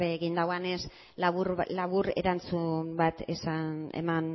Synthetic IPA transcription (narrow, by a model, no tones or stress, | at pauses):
βeɣind̪awane̞s | laβuɾlaβuɾe̞̰ɾant͡sumbat̪esanḛman